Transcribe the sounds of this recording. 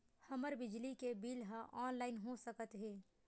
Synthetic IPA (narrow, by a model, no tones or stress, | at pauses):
həməɾbɪd͡ʒlikebiːlɦãʔɔːnlaːɪnɦosəkət̪ɦeː